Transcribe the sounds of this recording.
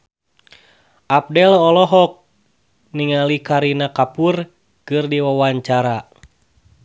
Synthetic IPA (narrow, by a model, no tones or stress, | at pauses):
ʔap̚dɛlɔlɔɦɔk̚ | niŋalikaɾinakapur | kɨrdiwawaɲt͡ʃaɾa